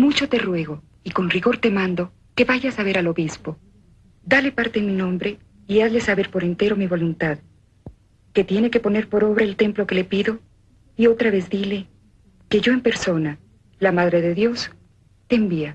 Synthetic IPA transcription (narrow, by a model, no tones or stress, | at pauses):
mut͡ʃo̞t̪e̞rwe̞ɣo̞ | iko̞nriɣo̞ɾt̪e̞mãnd̪o̞ | ke̞βaʝasaβe̞ɾalo̞βispo̞ | d̪ale̞paɾt̪eminõ̞mbɾe̞ | iaðle̞saβe̞ɾpo̞ɾe̞nt̪e̞ɾo̞miβo̞lunt̪að | ke̞t̪je̞ne̞ke̞po̞ne̞ɾpo̞ɾo̞βɾaelt̪e̞mplo̞ke̞le̞piðo̞ | io̞t̪ɾaβe̞zd̪ile̞ | ke̞ʝo̞empe̞ɾso̞na | lamaðɾe̞ðe̞ðjo̞s | t̪e̞ːmbia